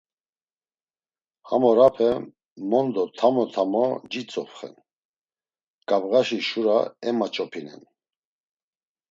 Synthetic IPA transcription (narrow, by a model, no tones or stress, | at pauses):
ha̰mɔɾapʰɛ | mɔnd̪ɔt̪ʰamɔt̪ʰamɔd͡ʒit͡sʼɔfχɛ̰n | ɡ̥avɣaʃiʃuɾaɛmat͡ʃʼɔpʰinɛ̰n